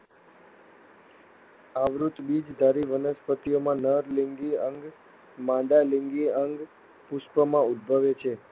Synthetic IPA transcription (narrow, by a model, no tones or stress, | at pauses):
aʋɾut̪bid͡ʒd̪ʱaɾiʋənəspət̪ijomãnəɾliŋɡiəŋɡ | mãɖaliŋɡiəŋɡ | puspəmãud̪̚bʱəʋet͡ʃʰe